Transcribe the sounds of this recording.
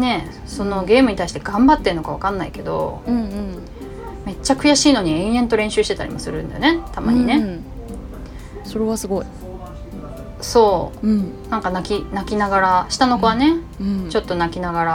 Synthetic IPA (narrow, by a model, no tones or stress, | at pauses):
ne̞ | so̞no̞ɡe̞ːmɯ̟ɲ̟it̪aiɕi̥t̪eɡãmbat̪ːe̞ɾɯ̟nokaβ̞akãnːaike̞d̪õ̞̰ | me̞t͡ɕːakɯ̟jaɕiːno̞ɲ̟iẽ̞ɰ̃ẽ̞nt̪o̞ɾẽ̞ɰ̃ɕɨːɕi̥t̪e̞t̪a̰ɾʲḭmo̞sɨɾɯ̟̃nd̪a̰jone̞t̪ama̰ɲ̟ḭne | soɾeβasɨɡoi | so̞ː | nãŋkanakʲinakʲinaɡaɾaɕi̥t̪ano̞ko̞βane̞t͡ɕo̞t̪ːo̞nakʲinaɡaɾa